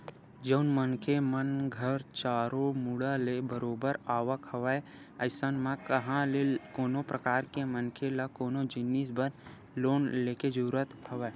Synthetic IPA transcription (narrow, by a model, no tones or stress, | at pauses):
d͡ʒəʊnmənkʰemənɡʱəɾt͡ʃaːɾomuɽalebəɾoːbəɾaːʋəkɦəʋae | əɪsənmãkəɦãlekoːnopɾəkaːɾkemənkʰelakoːnod͡ʒɪnːisbən | loːnleːked͡ʒəuːɾət̪hɐʋa